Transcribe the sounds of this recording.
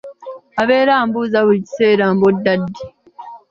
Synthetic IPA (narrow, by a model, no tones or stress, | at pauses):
aβe̞ːɾaːmbuzaβuici̥seːɾaːmbodːadːi